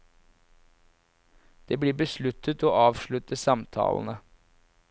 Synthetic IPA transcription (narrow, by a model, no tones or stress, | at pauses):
d̪̥eːbliːbəslʉt̪ʰət̪oːʔɑːʋʃlʉt̪əsɑmt̪ʰɑ̰ːln̩ə